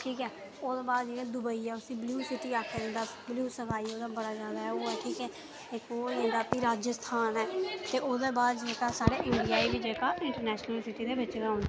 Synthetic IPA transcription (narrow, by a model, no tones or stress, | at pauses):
ʈʰiːkɛː | oːd̪eːbaːd̪d͡ʒɪkẽːd̪ʊbəiːɛːʊsiːbluːsɪʈiːaːkʰːed̪ɪnd̪aːbljuːsəkʰaːioːd̪aːbəɽaːd͡ʒaːd̪aːɦɛːoːɛːʈʰiːkɛː | ekoːẽːnd̪aːpiːɾaːd͡ʒəst̪ʰaːnɛːt̪eːʔoːd̪eːbaːd̪d͡ʒd͡ʒeːkaːsaːɽeːʔẽːɳɖiːaːiːbiːd͡ʒeːkaːɪ̃ɳʈəɾnɛːʃnəlsɪʈiːd̪eːbɪt͡ʃeːd̪aːoʊ̃ːnd̪